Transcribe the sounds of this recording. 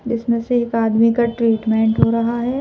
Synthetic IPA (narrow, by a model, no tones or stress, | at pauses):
d͡ʒɪsmẽseːkaːd̪mikaʈɾiːʈmẽːɳʈɦoːɾɐɦaɦɛː